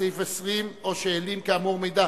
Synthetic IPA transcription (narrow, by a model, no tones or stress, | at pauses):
ejfesʁimoʃeːlimkeamuʁmejd̪a